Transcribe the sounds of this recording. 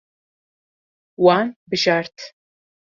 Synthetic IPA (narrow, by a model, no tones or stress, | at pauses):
waːnbɨʒaːrtʰ